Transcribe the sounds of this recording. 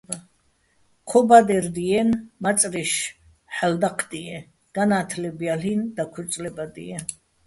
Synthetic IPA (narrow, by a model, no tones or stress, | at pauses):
kʰɔbad̪ɛɾd̪iɛnmat̪t͡s̪ʼɾiʃ | ħald̪aqʰd̪iɛ | ɡ̥anaːt̪ʰlɛbjalind̪akʰut͡ssʼlɛbad̪ḭɛ